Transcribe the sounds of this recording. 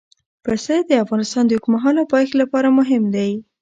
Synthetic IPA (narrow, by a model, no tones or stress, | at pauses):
pəsəd̪əafɣɑnɪst̪ɑnd̪əjukmaɦɑnawpɑjxlapɑɾamʊɦɪmd̪aj